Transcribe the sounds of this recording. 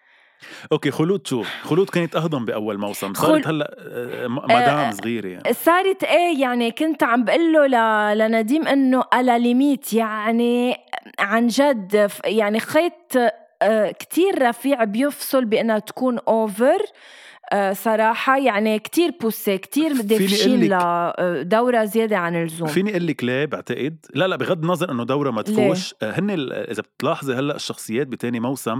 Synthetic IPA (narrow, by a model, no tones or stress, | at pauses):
ʔokexʊluːt̪ʃuːxʊluːd̪̚keːnɪt̪ʔɑhd̪ˤɑmbiʔawːalmawsɪ̰msɑːt̪halːa̰ʔ | maaːnsˤɣiːɾḛja̰ʕnsˤɑːɾˤɑt̪ʔeːjaʕnikʊnt̪ʕambʔɪlːolalanad̪iːmʔɪnːoʔalalɪmiːt̪jaʕʕni | ʕanʒad̪fjaʕnixeːt̪ː | kt̪ʰiːɾːˤɑfiːʕbjɪfsˤɨlbɪʔɪnːat̪ḁkuːnʔoːvəɾ | sˤɑɾˤɑːħɑjaʕnikt̪iːɾpʊsːekt̪iːɾd̪eːfiːnlad̪awɾazjeːd̪eʕanɪlzuːmfiːniʔɪlːɪkleːbɪʕt̪aʔɪd̪laʔlaʔbiɣad̪ːnɑzˤɑɾʔɪnːod̪awɾamat̪lfuːʃhɪnːḛʔɪ̰zab̚t̪lɑːħzˤeɦalːaʔɪʃːɑxsˤɨjːeːt̪̚bit̪eːnimawsam